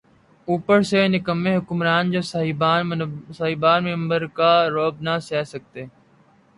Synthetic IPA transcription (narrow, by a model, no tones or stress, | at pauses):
uːpəɾseːnɪkəmẽːɦʊkʊmɾaːnd͡ʒoːs | saːɦibaːnmɪ̃mbəɾkaːɾoːb̚nasɛːsək̚t̪eː